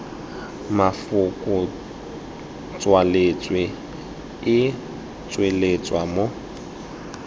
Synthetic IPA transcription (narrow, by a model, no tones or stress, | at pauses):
mafʊkʼʊ | t͡sʼwalet͡sʼwe | ɪ | t͡sʼwelet͡sʼwamo